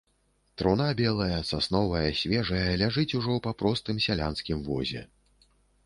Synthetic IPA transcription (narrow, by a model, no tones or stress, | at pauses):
t̪ɾunabʲɛlˠɐjɐsasnɔvɐjɐsʲvʲɛʐɐjɐlʲaʐɨt͡sʲuʐɔwpɐpɾɔst̪ɨmsʲalʲa̰nskʲimvɔ̰zʲɛ̰